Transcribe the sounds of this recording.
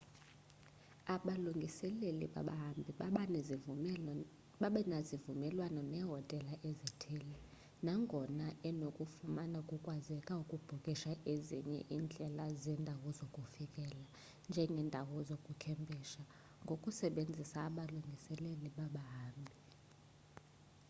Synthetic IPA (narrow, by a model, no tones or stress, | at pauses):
aɓaluŋʱisɛlelḭɓa̰ɓa̰ɦambʱiɓaɓan | ɓaɓɛnazivumɛlwanɔnɛɦɔtʼɛlaʔezitʰeːli | naŋɡʱɔnaɛnokʼufumanaukʼukʼwazɛkʼaukʼub̥ʱukʼiʃaʔezḭɲɛ̰ʔind͡ɮʱɛlazɛndʱawɔzokʼufikʼɛla | nd͡ʒʱɛŋɡʱɛːndʱawɔzokʼukʰɛmbʱiʃa | ŋɡʱokʼusɛɓend͡zʱisaːɓaluŋɡʱisɛleliɓaɓaɦaːmbʱi